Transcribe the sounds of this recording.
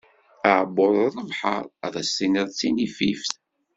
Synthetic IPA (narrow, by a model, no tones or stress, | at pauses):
æʕboðˤðˤəvħə̰ɾˤðˤæsːinəðˤt͡sːinififθ